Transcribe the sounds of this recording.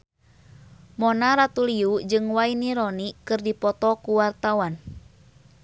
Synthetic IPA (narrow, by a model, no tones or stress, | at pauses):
mɔnaɾat̪uliud͡ʒɨŋwainiɾɔnikɨrdipɔt̪ɔkuwart̪awan